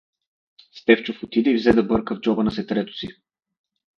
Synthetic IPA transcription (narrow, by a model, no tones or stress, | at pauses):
st̪ɛft͡ʃofot̪id̪ɛivzɛd̪ɐbɤɾkəvd͡ʒɔbənɐsɛt̪ɾɛt̪ʊ̥si